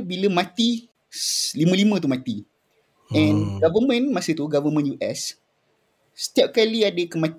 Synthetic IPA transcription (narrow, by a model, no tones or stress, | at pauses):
biləmãt̪i | slimə̃limə̃t̪umãt̪i | ɛ̃nɡavəmə̃nmasət̪uɡavəmə̃njuʔɛ̰s | sə̥t̪iap̚kaliadəkəmãt̪